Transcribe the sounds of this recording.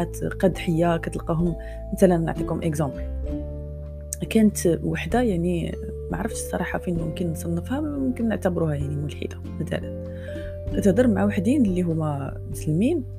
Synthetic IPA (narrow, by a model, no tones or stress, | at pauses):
æt̪qɑd̪ħəjːakæt̪əlqɑɦʊm | mæt̪ælænːəʕt̪ˤikhʊmʔəkzɑ̃bl | kænət̪waħd̪ajaʕni | ma̰ʕɾˤəfʃsˤːɑ̰ɾˤɑħafinmʊmkənːsˤɑnːəfhæmʊmkənːəʕt̪æbɾuhæjaʕnimʊlħḭd̪ḁmət̪æ̰lə̰n | ʔæt̪æd̪ərˤmaʕawaħd̪inlːiɦʊmæ | mʊslmin